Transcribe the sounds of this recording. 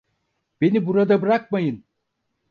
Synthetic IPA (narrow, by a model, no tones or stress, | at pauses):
b̥e̞nibuɾad̪abɯɾak̚majɯn